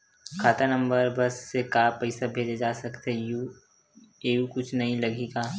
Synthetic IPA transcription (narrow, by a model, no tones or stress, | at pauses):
kʰaːt̪anə̃mbəɾbɐsːekaːpɐɪsabʱeːd͡ʒed͡ʒaːsɐkt̪ɦeju | eːjukʊt͡ʃʰnɐɦĩlɐɡeːɡaː